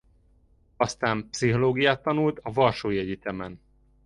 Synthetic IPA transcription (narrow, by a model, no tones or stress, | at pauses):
ɒst̪aːmpsiɦoloːɡijaːt̪ːɒnult̪ɒvɒlʃoːjɛɟit̪ɛmɛn